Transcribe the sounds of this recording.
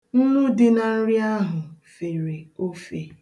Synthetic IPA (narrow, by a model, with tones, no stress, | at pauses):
n̩˦nu˦dɪ˦na˨n̩˦ɾɪ˦a˦ɦʊ˨fe˨ɾe˨o˦fe˨